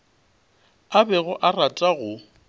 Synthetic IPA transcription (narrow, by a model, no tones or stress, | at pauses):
abɛɣʊʔaratʼaɣʊ